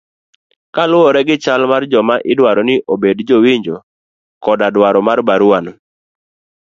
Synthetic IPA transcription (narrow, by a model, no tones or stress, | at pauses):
kalʊɔɾɛɡɪt͡ʃalmard͡ʒɔmaʔɪdwaɾɔnɪʔobedd͡ʒowiɲd͡ʒo | kɔdadwaɾɔmarbaɾuan